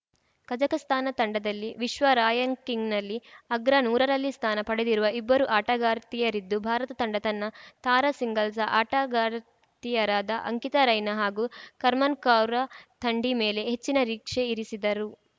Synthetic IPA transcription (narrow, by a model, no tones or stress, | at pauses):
kɐd͡ʒɐkɐst̪ʰaːnɐt̪ɐɳɖɐd̪ɐlːiʋiʃʋɐɾaːjɐŋkiŋɡnɐlːiɐɡɾɐnuːɾɐɾɐlːist̪ʰaːnɐpɐɽed̪iɾuʋɐibːɐɾuʔaːʈɐɡaːɾt̪ijɐɾid̪ːubʱaːɾɐt̪ɐt̪ɐɳɖɐt̪ɐnːɐt̪aːɾɐsiŋɡɐlsɐʔaːʈaɡaːɾ | t̪ijɐɾaːd̪ɐʔɐ̰ŋkit̪ɐɾɐjnɐɦaːɡukɐɾmɐnkaːwɾɐt̪ʰɐɳɖime̞ːle̞ɦet͡ʃːinɐɾiːkʂeiɾisid̪ɐɾu